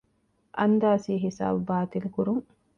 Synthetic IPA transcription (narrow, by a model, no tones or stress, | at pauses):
ʔɐnd̪aːsiːɦisa̰ːbubaːt̪ilkuɾuŋ